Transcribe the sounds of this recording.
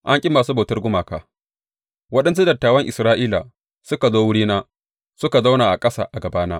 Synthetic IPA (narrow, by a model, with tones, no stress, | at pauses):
ʔa˦ŋkʲʼɪ˦mːaː˨suː˦ba˨tɐ˦rɡʷʊ˦maː˨ka̰ː˨ | wɐ˦ɗɐ˦ns̬u˦dɐ˨tːaː˨wɐ˦ŋʔɪ˨sɾaː˦ʔiː˦la̰˨ | sʊ˦ka˨zoː˦wʊ˦ɽiː˦naː˦ | sʊ˦ka˨za˦wnaː˨ʔa˨kʼɐ˦sa̰ː˨ʔa˨ɡɐ˨baː˦naː˦